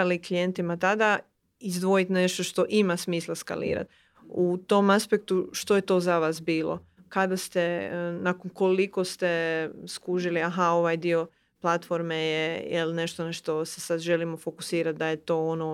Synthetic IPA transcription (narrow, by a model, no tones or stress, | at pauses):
aliklijent̪imat̪ad̪a | izd̪ʋo̞jit̪ne̞ʃt̪o̞ʃt̪o̞ʔimasmiːslaska̰lḭːɾa̰t̪ | ut̪o̞maspek̚t̪uʃt̪o̞je̞t̪o̞zaʋasbiːlˠo̰ | kad̪ast̪e̞nakonko̞liko̞st̪eskuʒiliaɦao̞ʋajd̪io̞ | plˠat̪fo̞ɾmejejḛlne̞ʃt̪onaʃt̪o̞sesad̪ʒe̞limo̞fo̞ku̥siːɾat̪̚d̪aje̞t̪o̞ono